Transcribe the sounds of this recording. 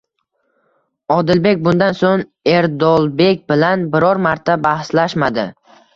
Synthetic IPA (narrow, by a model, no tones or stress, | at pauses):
ɒd̪ɪlbe̞k̚ʲbʊnd̪ansoŋ | e̞ɾd̪ɒlˠbe̞kʲbɪlanbɪɾɒɾmaɾt̪ʰabahslaʃmad̪ɪ